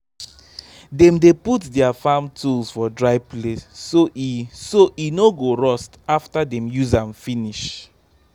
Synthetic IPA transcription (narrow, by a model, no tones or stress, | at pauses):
dɛ̃mdeputdɛafãmtʰulsfɔdɹaɪplessoʔisoʔinoɡoɹɔstaftadɛ̃mjuzãmfiniʃ